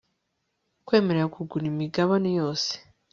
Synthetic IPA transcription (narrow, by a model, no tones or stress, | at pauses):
kwe̞ːmeɾeɾakuɡunimiɡaβanejo̞ːse̥